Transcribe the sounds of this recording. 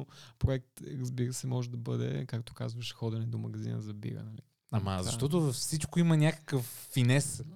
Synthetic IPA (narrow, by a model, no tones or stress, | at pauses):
opɾoɛk̚t̪ɾɐzbiɾəsɛmɔʒɛd̪ɐbɤd̪ɛ̰kakt̪o̥kazvəʃɛ̥xɔd̪ɛnɛd̪omɐɡɐzḭnə̰zɐbḭɾə̰nɐlḭ | amɐ̰zʃt̪ɔt̪̬ʊfsit͡ʃkoimɐnʲakə̥kəfːinɛs